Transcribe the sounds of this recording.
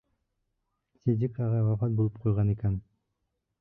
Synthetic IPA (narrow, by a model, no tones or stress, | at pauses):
sezʲikɑʁɑwafɑt̪̚bulˠup̚qʰujʁɑnikæn